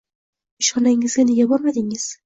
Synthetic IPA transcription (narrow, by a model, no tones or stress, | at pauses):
ɪʃɒnaŋɪzɡʲaneɡʲabɒɾmad̪ɪŋɪz̥